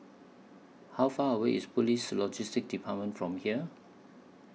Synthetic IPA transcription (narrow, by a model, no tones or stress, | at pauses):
hawfaəweispulislɔd͡ʒɪstɪk̚dipʰat̚mə̃ntfɹɔ̃mhiə